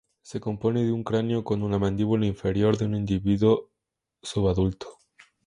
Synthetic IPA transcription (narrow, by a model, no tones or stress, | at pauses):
se̞ko̞mpo̞ne̞ðeuŋkɾanjoko̞nunamãnd̪iβulaiɱfe̞ɾjo̞ɾðeunind̪iβiðo | suβaðult̪o̥